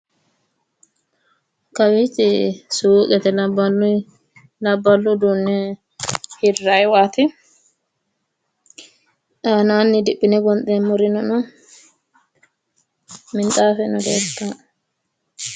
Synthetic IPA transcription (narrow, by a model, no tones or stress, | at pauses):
kɐwit͡ʃːɪsuːkʼɛt̪ɛlɐblʊ | lɐbːɐlːʊd̪unːɛ | hɪrːajwaːt̪ɪ | ʔaːnaːnːɪd̪ɪpːɪnɛɡɔnt̪ʼɛmʊɾɪnɔnɔ | mɪnt̪ʼaːfɛnɔɡeːt̪ːa